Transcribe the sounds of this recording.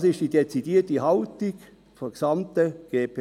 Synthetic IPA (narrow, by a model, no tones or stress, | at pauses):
sɪʃtd̥idet͡sidiːətihɑʊtiɡ | fɔksɑmtəɡ̥eːpʰː